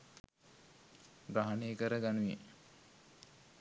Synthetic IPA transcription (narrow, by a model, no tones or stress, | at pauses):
ɡɾaɦaneːkəɾəɡanujḛ